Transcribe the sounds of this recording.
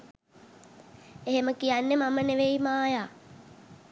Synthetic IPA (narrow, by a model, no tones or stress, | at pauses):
eɦeməkijanːemaməneʋeimaːjaː